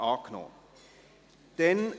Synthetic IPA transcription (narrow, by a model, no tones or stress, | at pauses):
ɑːkno̰ː | d̪̥ɛn